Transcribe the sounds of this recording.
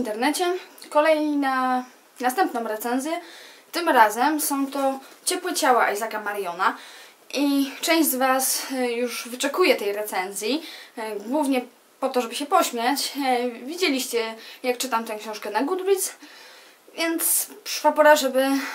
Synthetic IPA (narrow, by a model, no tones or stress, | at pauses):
int̪ɛɾnɛt͡ɕɛkɔlɛjɲina | nast̪ɛmpnɔ̃w̃ɾɛt̪sɛnzʲjɛt̪ɘmɾazɛmsɔ̃w̃t̪ɔt͡ɕɛpwɛt͡ɕawaʔajzakamaɾjɔna | ʔit͡ʂɛ̃j̃ʑd͡ʑʲzvasjuʐvɘt͡ʂɛkujɛt̪ɛjɾɛt̪sɛnzʲjiɡwuvɲɛ | pɔt̪ɔʐɛbɘɕɛpɔɕmʲjat͡ɕvʲid͡ʑelʲiɕt͡ɕɛjak̚t͡ʂɘt̪amt̪ɛ̃w̃kɕɔ̃w̃ʂkɛnaɡud̪ɾʲit̪s | vʲjɛnt̪spʂapɔɾaʐɛbɘ